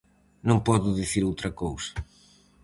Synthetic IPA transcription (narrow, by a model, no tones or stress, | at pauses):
nõmpɔðʊðiθiɾowt̪ɾɐkowsɐ̥